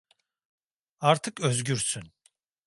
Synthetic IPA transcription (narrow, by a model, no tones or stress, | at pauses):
aɾt̪ʰɯkøzɟyɾsyn